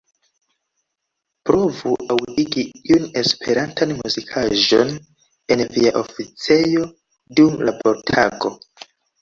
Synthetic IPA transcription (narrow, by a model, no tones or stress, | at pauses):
pɾo̞vuʔawdiɡiiune̞spʰe̞ɾantʰanmuzikʰaʒo̞̰n | e̞nviaʔofit͡se̞jo̞ | dumlapʰoɾtʰaɡo̞̰